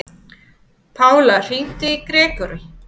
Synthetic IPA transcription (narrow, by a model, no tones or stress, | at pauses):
pʰaːwlar̥in̥t̪ɪikɾɛːkʏɾʏ